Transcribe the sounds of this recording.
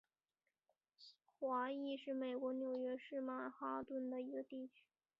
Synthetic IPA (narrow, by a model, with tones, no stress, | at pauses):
xwa˧˥i˥˧ʂɻ̩˥˩me˨˩ɪkwɔ˧˥njo˨˩ʊɥɛ˧˥ʂɻ̩˥˧ma˥˩xa˥t̪wə˥˩nd̪ə˨i˧˥ɡə˧t̪i˥˩t͡ɕʰy̥˥